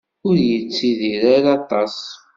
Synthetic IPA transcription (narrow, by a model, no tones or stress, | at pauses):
ʊɾjət͡sːiðiɾaɾɑt̪ˤɑs